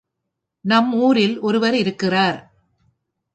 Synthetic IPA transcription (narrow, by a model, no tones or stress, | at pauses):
nɐmuːɾɪlʔɔɾɯʋɐɾɪɾɯkːɪraːɾ